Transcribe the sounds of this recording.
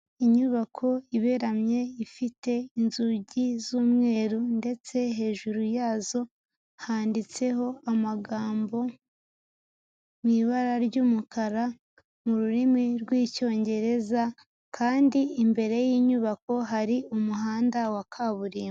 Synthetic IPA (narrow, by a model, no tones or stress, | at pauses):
iɲuβakʰo̞iβe̞ɾamɲe̞ifite̞inzuɟizuːmŋe̞ːɾunde̞t͡se̞ɦe̞ːʒuɾujaːzo̞ | haːndit͡se̞ho̞amaɡaːmbo̞ | miβaɾaɾɟuːmukʰaɾa | muɾuɾimiɾɡwiːco̞ːɲɟe̞ɾe̞za | kʰaːndiːmbe̞ɾe̞jiːɲuβako̞ɦaɾiumuɦaːndawakʰaːβuɾiːm